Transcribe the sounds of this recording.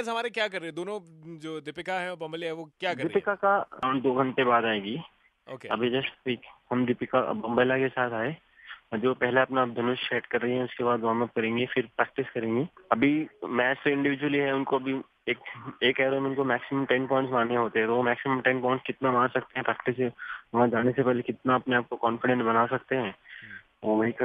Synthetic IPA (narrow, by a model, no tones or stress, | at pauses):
zɦɐmaːɾekjaːkɐɾːeɛ̃d̪oːnõd͡ʒoːd̪ɪpɪkaɦɛ̃bɐ̃mbəliɦɛ̃ʋokjaːkɐɾd̪ɪpɪkakaãʊ̃nd̪oːɡʱɐ̃nt̪ebaːd̪aːeːɡi | o̰ːkkeɐbʱid͡ʒɐsʈʰiːkhɐmd̪ɪpɪka̰bɐ̃mbəɪlakesaːt̪ʰaːe | ɔd͡ʒopɛɦleɐpnab̪ʱɪnʊʃʃeːʈkɐɾːɐɦĩɦɛ̃ʊskebaːd̪ʋɐɦãmãp̚kɐɾẽːŋɡefɪɾpɾɛːk̚ʈɪskɐɾẽːŋɡeːɐbʱimɛːst̪oɪ̃ɳɖɪʋɪd͡ʒwəliɦɛʊnkoɐbʱi | eːkeːkɛːɾoːmʊnkomɛːksɪmə̃mʈɛnpɔ̃ːɪ̃ɳʈsmaːneɦoːt̪eɦɛ̃t̪oʋomɛːksɪmə̃mʈɛ̃npɔ̃ːɪ̃ɳʈskɪt̪namãːɾsɐkt̪eɦɛ̃pɾɛːk̚ʈɪs̬ʋɐɦãd͡ʒaːnesepɛɦlekɪt̪naɐpneaːp̚kokɔːnfɪɖɛ̃nsbɐnasɐkt̪eɦɛ̃ː | ʋoʋɐɦikɐ